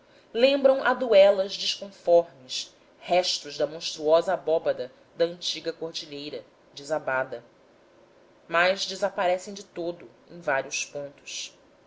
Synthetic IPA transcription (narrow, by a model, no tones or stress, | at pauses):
lẽmbɾɐ̃w̃ʔad̪uɛlɐzd͡ʒɪʃkõfɔɾmɪs | hɛʃt̪ʊʒd̪ɐmõʃt̪ɾuɔzɐbɔbɐd̪ɐ | d̪ɐə̃nt͡ʃiɡɐkoɾd͡ʒiʎejɾɐ | d͡ʒɪzabad̪ɐ | majʒd͡ʒɪzapaɾɛsẽj̃d͡ʒɪt̪od̪ʊ | ḛ̃j̃vaɾiʊspõnt̪ʊ̥s